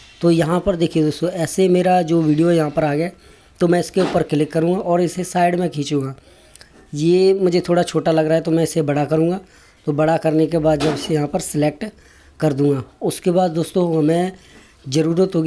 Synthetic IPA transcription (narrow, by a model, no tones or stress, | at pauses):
t̪oːjɐɦãpəɾd̪eːkʰied̪oːst̪õɛːsemeːɾad͡ʒoːʋiːɖijojɐɦãpəɾaːɡjaː | t̪omɛ̃ːɪskeuːpəɾkɪlɪkːɐɾũːŋɡaʔɔːɾɪsesaːɪɖmɛ̃kʰiːt͡ʃũːŋɡaː | jeːmʊd͡ʒʱet̪ʰoːɽat͡ʃʰoːʈalɐɡɾaːɦɛt̪omɛ̃ɪsebɐɽakɐɾũːŋɡaː | t̪obɐɽakɐɾnekebaːd̪d͡ʒɐbɪsejɐɦãpəɾsɪleːk̚ʈ | kɐɾd̪ũːŋɡaːʊskebaːd̪̚d̪oːst̪õmɛ̃ː | zəɾuːɾət̪ɦoːɡ